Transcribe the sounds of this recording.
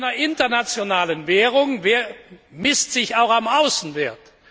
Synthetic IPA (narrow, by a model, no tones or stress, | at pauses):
nɐʔɪntɐnat͡sjonaːlənvɛːʁʊŋv | mɪstz̥ɪçaʊxamaʊsn̩veɐt